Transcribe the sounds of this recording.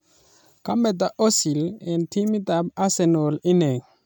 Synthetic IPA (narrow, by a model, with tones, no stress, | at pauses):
ka˦mbɛ˨t̪̬a˨ʔo˦si˨lɛ˨ntʰi˦mi˦ta˨ba˦sɛ˨no˨li˦ne˨